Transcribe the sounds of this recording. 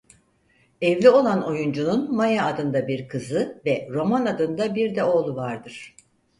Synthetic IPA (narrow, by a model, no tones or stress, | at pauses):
ɛvlʲio̞lˠano̞jund͡ʒununmajaːd̪ɯnd̪abiɾkʰɯzɯvɛɾo̞manad̪ɯnd̪abiɾd̪ɛo̞lˠuvaɾd̪ɯɾ̥